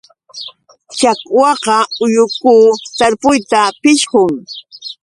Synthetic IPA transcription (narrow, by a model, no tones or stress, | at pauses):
t͡ʃakwɑqɑʊjʊkuːt̪aɾpʊjt̪apɪʃhʊŋ